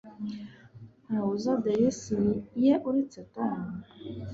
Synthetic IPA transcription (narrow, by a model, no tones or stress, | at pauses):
naozɔdɛjɛsinijɛʔuɾit͡sɛtɔn